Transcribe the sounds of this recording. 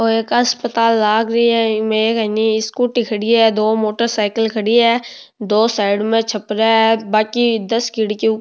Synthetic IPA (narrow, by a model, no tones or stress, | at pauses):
oːeːkɦəspət̪aːlːaːɡɾəiɛmẽkəniɪskuʈɪkʰəɽiɛːd̪oːmoːʈəɾsaːɪkəlkʰəɽiɛː | d̪oːsaːɪɖmẽt͡ʃʰəpɾaɛbaːkid̪əskɪɽki